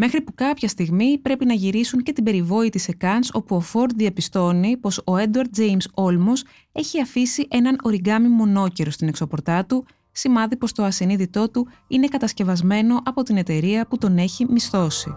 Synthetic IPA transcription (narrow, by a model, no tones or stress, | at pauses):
me̞xɾipukɐpçɐst̪iɣmipɾe̞pinɐʝiɾisuɲce̞t̪ibe̞ɾivo̞it̪ise̞kɐnso̞puofo̞ɾd̪ðiɐpist̪o̞nipo̞so̞ed̪ɐɾt̪d̪̚d͡ze̞jmso̞lmo̞s | e̞çiɐfisiʔe̞nɐno̞ɾiɡɐmimo̞no̞ce̞ɾo̞st̪ine̞kso̞po̞ɾt̪ɐt̪u | simɐðipo̞st̪o̞ɐsiniðit̪o̞t̪u | ine̞kɐt̪ɐsce̞vɐzme̞no̞ʔɐpo̞t̪ine̞t̪e̞ɾiɐput̪o̞ne̞çimist̪o̞si